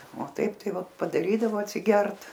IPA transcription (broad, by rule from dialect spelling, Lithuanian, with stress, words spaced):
oː ˈtɐɪp ˈtɐɪ ʋɐ pɐdɐˈrʲiːdɐʋoː ɐtʲsʲɪˈɡʲɛrt